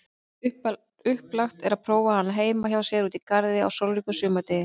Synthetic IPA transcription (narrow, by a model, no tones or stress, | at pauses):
ʏp | ʏhplaxt̪ɛɾaðpʰɾoːwvahanːaɦeːjmaçawsjɛɾuːt̪ikaɾðɪa̰wsowlɾikʏsʏːmat̪ɛjɪ